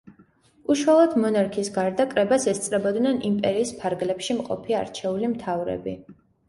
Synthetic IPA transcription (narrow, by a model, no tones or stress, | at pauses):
uʃwalˠɔd̪mɔnaɾkʰisɡaɾd̪akʼɾɛbasɛst̪sʼɾɛbɔd̪nɛnʔimpʼɛɾiːspʰaɾɡlɛpʃimqʼɔ̰pʰia̰ɾt͡ʃʰɛulimt̪ʰavɾɛ̰bi